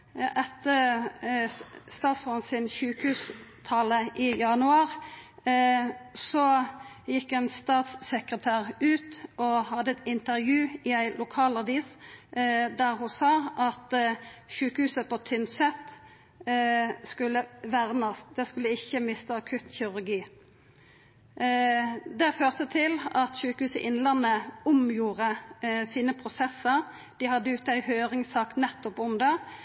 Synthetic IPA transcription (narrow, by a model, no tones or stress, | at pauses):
ʔɛt̪ːəʁ | st̪ɑːt̪smɑnsɪnçʉːkəhʉːst̪ʰɑləʔɪjɑnʉɑːʁ | sɔ | jɪkːɛnst̪ɑːt̪sːəkʁət̪ʰæːʁʉːt̪ɔhɑd̪əɛt̪ɪnt̪əʁjʉːɪæɪlʊkʰɑːlɑʋiːs | d̪æʁɦʊsɑːʔɑt̪ʃʉːkəhʉːsəpɔt̪ʰʏnsɛt̪ | skʉlːəʋæʁnəsd̪̥ɛskʉlːəɪçːəmɪst̪əɑkʰʉt̪çɪɾʉʁɡiː | d̪ɛføːʁt̪ət̪ʰɪlɑt̪ʃʉːkəhʉːsəʔɪnlɑnəʊmjuːʁəsiːnəpʰʁʊsɛsəʁ | d̪̥ɪhɑd̪ːəʉːt̪æɪhøːʁɪŋsɑːknɛt̪ːɔpʊmd̪ɑ